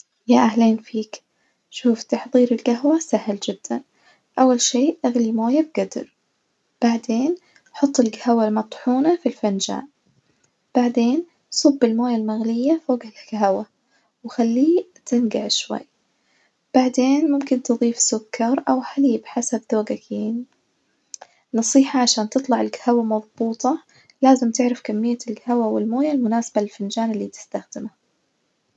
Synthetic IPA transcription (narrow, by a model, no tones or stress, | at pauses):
jaʔahleːnfiːk | ʃuːft̪ɑħðˤiːɾɪlɡaɦwasahld͡ʒɪd̪̥ːa̰n | ʔawːalʃeːʔaɣlimoːjab̚ɡad̪̰ɾ | b̥aʕd̪eːn | ħʊt̪ˤːɪlɡahawalmɑt̪ˤħuːnafilfand͡ʒa̰ːʔ | b̥aʕd̪eːn | sˤʊbːɪlmoːjalmaɣlɪjːafoːɡɪlɡaɦwa | wxalːiːt̪ʰɪnɡaʕʃwa̰jː | b̥aʕd̪eːnmʊmkɪnt̪ɨðˤiːfsʊkːɑɾˤʔawħaliːbħasabðoːɡakeːni | nɑsˤiːħɑʕaʃaːnt̪ɨt̪ˤlɑʕɪlkḁhawamɑðˤbuːt̪ˤɑ | laːzɪmt̪ɪʕɾafkamːɪjːalɡahawawɪlmoːjalmʊnaːsḁbalɪlfand͡ʒaːnɪlːiːt̪ɪ̥st̪axd̪ɪma